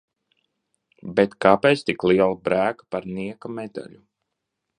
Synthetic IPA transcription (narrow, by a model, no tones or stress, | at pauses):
bet̪kaːpejt̪st̪ikliɛlˠabɾæːkḁpaɾniɛkamed̪a̰lʲu